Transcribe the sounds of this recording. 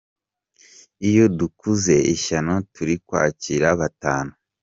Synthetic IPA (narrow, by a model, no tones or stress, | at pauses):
ijo̞dukuze̞iʃanotuɾikwa̰ːciɾaβataːnu